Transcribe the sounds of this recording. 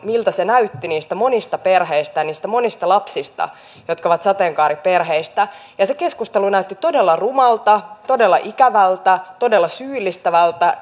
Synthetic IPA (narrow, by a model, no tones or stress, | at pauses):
milt̪æsenæyt̪ːiniːst̪æmo̞nist̪ɑperɦeist̪æjɑniːst̪æmonist̪ɑlɑpsist̪ɑ̰ | jot̪kɑoʋɑt̪sɑt̪eŋkɑːɾiperɦeist̪æjɑseke̞skust̪elunæyt̪ːit̪o̞delːɑrumɑlt̪ɑt̪o̞delːɑʔikæʋælt̪æt̪o̞delːɑsyːlːist̪æʋælt̪æ